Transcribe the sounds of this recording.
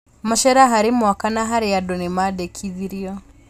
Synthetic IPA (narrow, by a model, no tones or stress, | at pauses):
maʃɛɾaɦaɾimwakanaɦaɾijadɔnimadɛkʰiðiɾiɔ